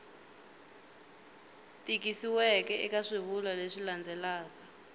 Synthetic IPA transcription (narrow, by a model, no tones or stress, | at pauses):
tʼik̬isiwɛkɛikaʂiβulaleʂiland͡zʱɛlaːk̬a